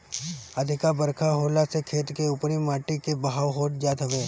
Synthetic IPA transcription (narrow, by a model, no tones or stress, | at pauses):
əd̪ʱɪkabəɾkʰaɦoːlasekʰeːt̪keʊpnimaːʈikebəɦaːwɦoːʈd͡ʒaːt̪ɦɐʋẽː